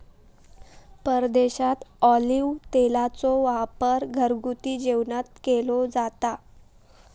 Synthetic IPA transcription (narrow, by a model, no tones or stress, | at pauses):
pəɾd̪eɕat̪ɔliʋt̪elat͡sɔʋapəɾɡʱəɾɡut̪iːd͡ʑewnat̪̚kelod͡zat̪a